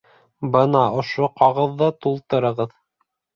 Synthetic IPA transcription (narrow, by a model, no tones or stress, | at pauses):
bɤnɑŏʃoqɑʁɤðːɑt̪ulˠt̪ɤ̆ɾɤ̆ʁɤð